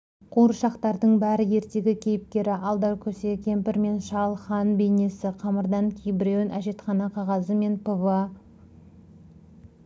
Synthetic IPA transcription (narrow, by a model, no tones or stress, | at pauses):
qʰuɾʃɑqt̪ɑɾd̪əɴbæɾɪje̞ɾt̪e̞ɡʲɪkʲʰe̞jɪp̚kʲe̞ɾɪʔɑlˠd̪ɑwkʲʰɵse̞kʲʰe̞mpɪɾme̞nʃɑlˠχɑnbe̞jne̞sɪqʰɑməɾd̪ɑŋkʲʰijbɪɾionʔæʒe̞t̪χɑnɑqʰɑʁɑzəme̞npəvɑ